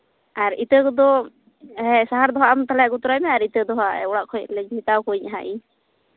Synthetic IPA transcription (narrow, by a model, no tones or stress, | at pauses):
ʔaɾit̪əkɔd̪ɔ | ɛsaɦaɾd̪ɔɦaʔamt̪alɛaʔɡut̪ɔɾajmɛaɾit̪əd̪ɔɦaɛ̰ɔɽaʔkʰɔjʔlɛd͡ʒmit̪awkɔiɲʔaɦaʔiɲ